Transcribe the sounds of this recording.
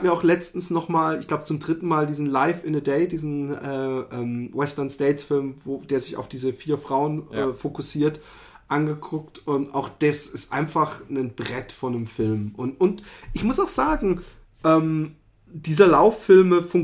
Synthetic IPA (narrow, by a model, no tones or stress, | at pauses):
amiːɐaʊxlɛt͡stn̩snɔχmaːlɪçɡ̥laʊbət͡sʊmdʁɪtn̩maːldiːzn̩laɪfɪnədɛɪdiːzn̩ʔɛːʔɛːmwɛstɐnsteɪtfɪlmvoːd̥eːɐzɪça̰ʊfd̥iːzəfiːɐfʁ̥aʊənʔɛːfokʊsiːɐt | ʔanɡəkʰʊk̚tʊnta̰ʊxd̥asɪstʔa̰ɪnfaχnənb̥ʁɛtfɔnəmfɪlmʔʊntʔʊntʔɪçmʊsaʊxz̥aːɡŋ̩ | ʔɛːm | d̥iːzɐlaʊfːɪlməfʊŋ